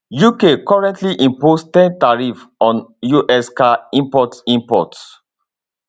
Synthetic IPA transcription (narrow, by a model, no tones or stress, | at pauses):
jukekɔɹɛ̃ntliʔĩmpostɛ̃ntaɹifɔ̃njuʔɛskaĩmpɔtĩmpɔ̰t